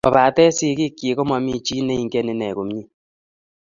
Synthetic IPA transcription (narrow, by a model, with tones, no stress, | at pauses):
pa˨pa˨tɛ˦si˦ki˦kje˨kɔ˦ma˨mi˦t͡ʃi˦ne˦i˨ŋ˨kɛ˦ne˨˦nɛ˨ko˨mɲi˦